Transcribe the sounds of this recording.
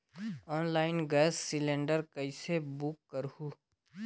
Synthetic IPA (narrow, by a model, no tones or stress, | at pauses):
ɔːnlaːɪnɡɛːsːɪlẽːɳɖəɾkəisebʊkːəɾhuː